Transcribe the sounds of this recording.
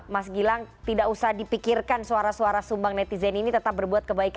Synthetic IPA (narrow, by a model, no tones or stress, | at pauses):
masɡilaŋt̪idaʔusahdipikirkansuaɾasuaɾasumbaŋnɛt̪izɛninit̪ət̪ap̚bərbuat̪̚kəbaika